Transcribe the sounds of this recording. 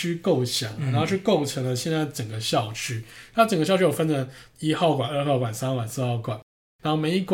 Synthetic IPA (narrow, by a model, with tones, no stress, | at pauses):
y˥ko˥˩ʊɕjɑ˨˩˦ŋ˨na˨˧˥xo˥˧ʂɻ̩˥˧ko˥˩ʊʈ͡ʂʰɤ˧˥˦ŋlə˧ɕjɛ˥˧nt͡sa˥˩ɪʈ͡ʂə˨˩ŋɡə˩ɕjɑ˥˨˩ʊʈ͡ʂʰy˥na˧˥˩ʈ͡ʂə˨˩ɡəɕɑ˥˧ʊʈ͡ʂʰo˨˩fə˥nlə˨i˥xɑ˥˧ʊkwa˨˩nə˞˥˧xɑ˥˩ʊkwa˨˩nsa˥n˥˩wa˨˩nsɹ̩˥˧xɑ˥˩ʊkwa˨˩˦n | ɻa˧˥nxo˥˩ʊme˧˥ɪi˥kw